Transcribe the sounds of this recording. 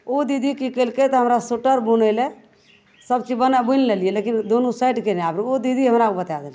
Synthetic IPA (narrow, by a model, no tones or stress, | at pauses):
od̪id̪ʱikikelket̪ɔɦəmɾasuʈəɾbunele | səbt͡ʃibənabunlelijelekind̪onusajʈkeleapɾiod̪id̪ʱiɦəmɾakobət̪ad̪el